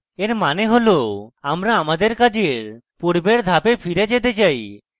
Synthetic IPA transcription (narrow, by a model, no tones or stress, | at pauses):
eɾmaneɦoloamɾaːmad̪eɾkad͡ʒeɾ | puɾbeɾd̪ʱapepʰiɾed͡ʒet̪et͡ʃaj